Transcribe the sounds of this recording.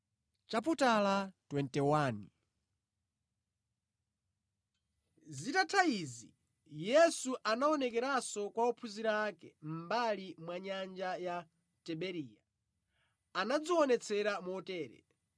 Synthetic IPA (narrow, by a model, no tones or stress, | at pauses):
t͡ʃap̬utalatwɛntɛwaːni | zitatʰaizi | jɛsuʔanaɔnɛkɛɾasɔkwaɔpʰuziɾakɛ̰m̩balimwaɲand͡ʒaja | tɛɓɛɾiːja | anad͡ziwɔnɛt͡sʰɛɾamɔtɛːɾɛ̰